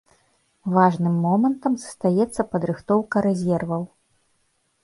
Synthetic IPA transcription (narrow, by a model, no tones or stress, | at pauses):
vaʐnɨmːɔmɐnt̪ɐmzɐ̥st̪ajɛt̪sːɐpɐd̪ɾɨxt̪ɔwkɐɾɛzʲɛrvɐw